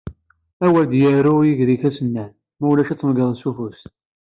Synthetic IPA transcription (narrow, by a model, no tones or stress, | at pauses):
æwæd̪jəɾujiʝɾiçæsənːæn | mæwlæʃæt͡sːəməɡəðˤsufus